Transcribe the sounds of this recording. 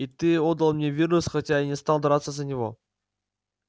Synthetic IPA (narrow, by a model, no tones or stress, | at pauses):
it̪ɨod̪əlˠmnʲevʲirnusxɐtʲainʲɪst̪alˠd̪ɐɾat̪səzənʲɪvo̰